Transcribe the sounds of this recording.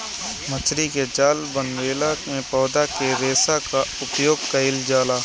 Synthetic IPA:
mət͡ʃʰɾiked͡ʒaːlbənʋeːlamẽpɔːd̪akeɾeːsakaʊpjoːɡ̚kɐɦɪld͡ʒaːlaː

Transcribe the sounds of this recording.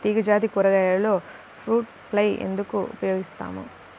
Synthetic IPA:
t̪iːɡɐd͡ʒaːt̪̬ikuɾɐɡɐjɐlo̞ː | pʰɾuːʈ̚ | plɐjḛnd̪ukuṵpɐjo̞ːɡist̪a̰ːmṵ

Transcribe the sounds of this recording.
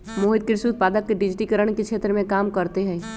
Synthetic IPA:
moːɦɪd̪̚kɪɾʃut̪̚paːd̪əkːeɖɪd͡ʒʈikəɾəɽ̃kekʃʰeːt̪ɾmẽkaːmkɐɾt̪eɦɛ̃

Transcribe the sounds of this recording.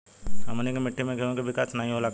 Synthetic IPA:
ɦɐmnekemɪʈʰːimẽɡʱeõkeʋʱɪkaːsnaɦĩɦolaːk

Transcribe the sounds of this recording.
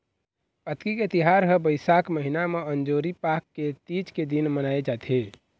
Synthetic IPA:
pət̪kiket̪iɦaɾɦəbəɪsakməɦinameənd͡ʒoɾipakːet̪id͡ʒked̪inmənaed͡ʒat̪ʰe

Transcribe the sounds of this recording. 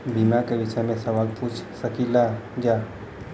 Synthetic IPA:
bimãkeʋɪʃəjmẽsəʋaːlput͡ʃʰsəkilad͡ʒa

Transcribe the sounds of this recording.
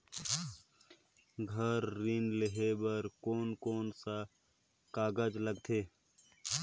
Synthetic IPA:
ɡʱɐɾːiːnleɦebɐɾkoːnkoːnsa | kaːɡəd͡ʒləɡ̚t̪ʰeː

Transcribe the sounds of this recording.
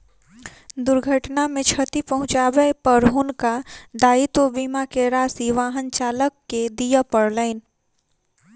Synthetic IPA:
d̪ʊɾɡʱəʈnamẽt͡ʃʰət̪ipɐɦʊ̃t͡ʃaːbepəɾɦʊnkaɖaːit̪obiːmakeɾaːsiʋaːɦənt͡ʃaːləkːed̪ijapəɾlaɪn

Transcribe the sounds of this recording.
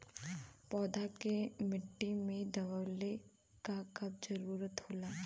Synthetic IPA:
pɔːd̪akemɪʈːimẽd̪ɐʋale | kakɐb̚d͡ʒɐɾuːɾət̪ɦoːlaː

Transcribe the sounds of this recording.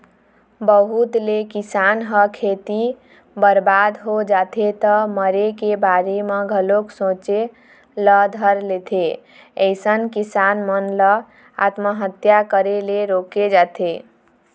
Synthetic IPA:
bəɦut̪lekisanɦəkʰet̪i | bəɾbad̪ɦod͡ʒat̪ʰet̪əməɾekebaɾemeɡʱəloksõt͡ʃe | ləd̪ʱəɾlet̪ʰe | əjsənkisanmənlə | a̰t̪məɦət̪jakəɾeleɾoked͡ʒat̪ʰe

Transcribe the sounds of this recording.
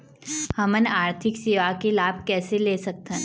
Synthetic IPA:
hɐmənaːɾt̪ʰɪkseːʋakelaːb̚ʱkɛːseleːsɐk̚t̪ɛ̃

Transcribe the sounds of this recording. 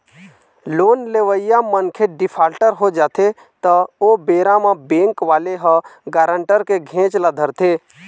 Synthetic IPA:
loːnleʋəɪjamənkʰeɖɪpʰaːlʈəɾɦod͡ʒaːt̪ʰe | t̪əobeːɾãmãbẽːŋkʋaːleɦəɡaːɾəɳʈəɾkeɡʱẽːt͡ʃlad̪ʱəɾt̪ʰeː

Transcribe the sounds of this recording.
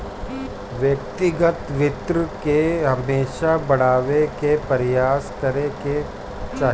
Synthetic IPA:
ʋjɐkt̪ɪɡət̪ʋɪt̪ɾəkeɦɐmeːʃabɐɽ̤aːʋekepɐɾjaːskɐɾeke | t͡ʃaː

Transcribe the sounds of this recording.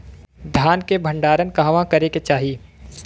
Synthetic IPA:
d̪ʱjaːnkebʱə̃ɳɖaːɾənkaɦʋãkɐɾeket͡ʃaːɦiː

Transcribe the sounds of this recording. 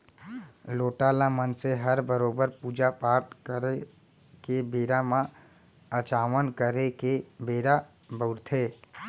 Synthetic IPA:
loːʈaːlãmənseɦəɾbəɾoːbəɾpuːd͡ʒapaːɾʈkəɾe | kebeːɾamã | ət͡ʃaːʋənkəɾekebeːɾa | bəʊɾt̪ʰeː

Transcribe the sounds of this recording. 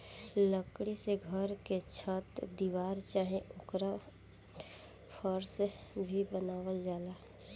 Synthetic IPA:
ləkɽiseɡʱəɾket͡ʃʰət̪d̪iwaːɾt͡ʃaːɦẽʊkɾa | pʰəɾsbʱibənaːʋəld͡ʒaːlaː

